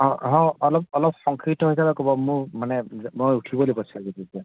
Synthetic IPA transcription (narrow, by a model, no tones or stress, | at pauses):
ɦɔ̃ɦɔ̃ɔlɔp̚ɔlɔp̚xɔŋkʰɹitɔɦojsabɛkobɔmʊɹmanɛmojutʰibɔlibɔsaɡetitia